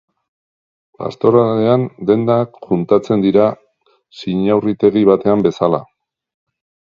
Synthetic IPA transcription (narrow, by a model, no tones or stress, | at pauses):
pa̰st̪o̞ɾale̞and̪e̞nd̪akxunt̪at͡se̞nd̪iɾa | siɲawrit̪e̞ɣ̞iβ̞at̪e̞ambe̞sala